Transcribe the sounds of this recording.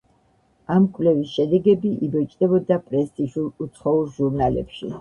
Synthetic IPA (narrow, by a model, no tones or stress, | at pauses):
amkʼvlɛvisʃɛd̪ɛɡɛbiʔibɔt͡ʃʼd̪ɛbɔd̪apʼɾɛst̪ʼiʒulˠut̪sʰχɔulˠʒuɾnalɛ̰pʃḭ